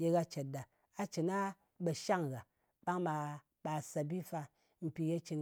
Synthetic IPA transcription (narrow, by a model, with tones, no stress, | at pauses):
je˧ɡa˧t͡ʃe˨t̚da˨ | a˧t͡ʃi˨na˦ | ɓa˧ʃa˦ŋɡa˨ | ɓa˦ŋma˧ | ɓa˧˨sa˧bi˦fa˧ | m̩˨pʲi˧je˧t͡ʃi˧n